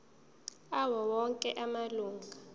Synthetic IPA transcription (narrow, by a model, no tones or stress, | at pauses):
awɔwɔŋkʼɛʔamaluːŋɡʱa